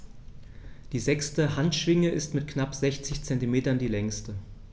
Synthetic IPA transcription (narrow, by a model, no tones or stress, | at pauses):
d̥iːzɛkstəhantʃv̥ɪŋəʔɪstmɪt̚knapz̥ɛçt͡sɪçt͡sɛntimeːtɐndiːlɛŋstə